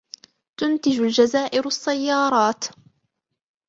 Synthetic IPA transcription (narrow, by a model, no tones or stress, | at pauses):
t̪ʊnt̪ɪd͡ʒʊld͡ʒazaːʔɪɾɑsːajːɑːɾˤɑːt̪